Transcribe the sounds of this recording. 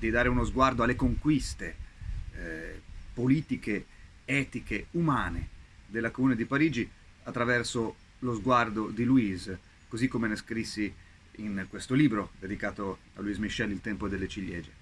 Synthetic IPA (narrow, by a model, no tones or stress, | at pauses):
d̪id̪aːɾeunozɡward̪oalːekoŋkwist̪e | poliːt̪ike | ɛːt̪ikeumaːne | d̪elːakomuːned̪ipaɾiːd͡ʒi | at̪ːɾavɛrso | lozɡward̪od̪iluiz | kozikːomeneskɾisːi | inkwest̪oliːbɾod̪ed̪ikaːt̪o | a̰luizmiʃːɛlːilt̪ɛmpod̪elːet͡ʃiʎːɛ̰ːd͡ʒe